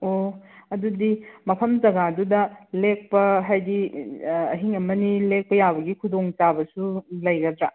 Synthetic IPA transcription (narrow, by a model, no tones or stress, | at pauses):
oɐdudimɐpʰɐmzɐɡadudɐlek̚pɐɦajdi | ɐɦiŋɐmɐnilek̚pɐjabɐɡikʰudoŋt͡ʃabɐsulɐjɡɐdɾa